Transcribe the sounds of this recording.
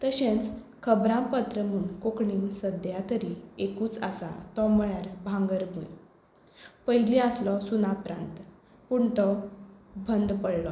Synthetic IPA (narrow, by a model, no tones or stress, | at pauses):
t̪əɕẽnt͡s | kʰəbɾãmpət̪ɾəm̤uɳkokɳiːnsəd̪jat̪əɾiekuːt͡sa̰sa̰t̪ɔmɭjaɾbʱãŋɡəɾbʱuj | pəɦjiliaslɔsunapɾã̰nt̪ | puɳt̪ɔ | bʱənd̪pəɽlɔ